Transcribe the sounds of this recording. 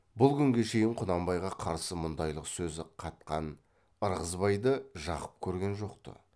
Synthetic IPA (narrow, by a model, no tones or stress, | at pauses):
bʊlˠkʲʰʏŋɡʲe̞ʃe̞jɪɴqʰʊnɑmbɑjʁɑqʰɑɾsəmʊnd̪ɑjlˠəqsɵzɪqʰɑt̪̚qɑn | əɾʁəzbɑjd̪əʒɑʁəp̚kʲʰɵɾɡʲe̞nʒo̞qt̪ə̰